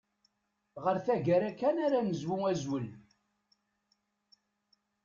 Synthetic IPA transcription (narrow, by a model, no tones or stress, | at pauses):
ʁəɾθæʝəɾækːænaɾanəzwuæzwəl